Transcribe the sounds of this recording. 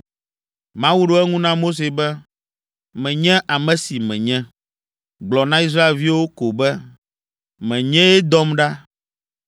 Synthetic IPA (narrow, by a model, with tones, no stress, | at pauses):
mã˦wu˦ɖo˦ɛ˦ŋũ˦nã˦mo˦s̬e˨bɛ˦ | mɛ̃˨ɲɛ̃˦ʔa˨mɛ̃˨si˨mɛ̃˨ɲɛ̃˦ | ɡ͡blɔ˨nã˦i˦s̬ɾa˦e˨lvi˦wo˦ko˨bɛ˦ | mɛ̃˨ɲɛ̃˦ɛ˦d̪ɔ˦mɖa˦